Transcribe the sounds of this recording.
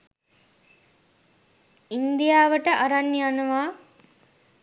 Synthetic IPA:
ind̪ijaːʋəʈəʔaɾanːianuʋaː

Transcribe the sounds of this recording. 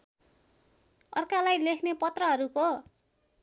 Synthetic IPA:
ʌrkalajlekʰnepʌt̪rʌɦʌɾuko

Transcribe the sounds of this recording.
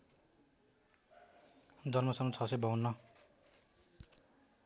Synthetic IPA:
d͡zʌnmʌsʌmʌt͡sʰʌsebʌunːʌ

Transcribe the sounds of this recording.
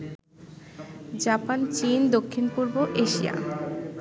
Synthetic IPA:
d͡ʑapant͡ɕind̪okʰːinpuɾboʔeʃija̰

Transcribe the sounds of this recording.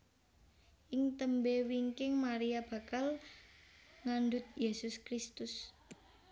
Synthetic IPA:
ʔɪŋt̪əmbewiŋkɪŋmaɾiab̥a̤kal | ŋanɖʊt̪̚jesʊskɾist̪ʊs

